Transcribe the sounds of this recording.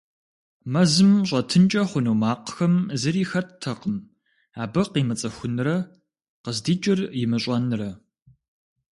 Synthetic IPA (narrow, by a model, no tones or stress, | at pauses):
mɐzɨmɕʼɐtʰɨnt͡ʃʼɐχʷʊnuːmaːqxɐmzɨɾiːxɐttʰːɐqəm | aːbɐqiːmɨt͡sʼɐxʷʊnrɐ | qəzdiːt͡ʃʼɪrjɪmɨɕʼɐnrɐ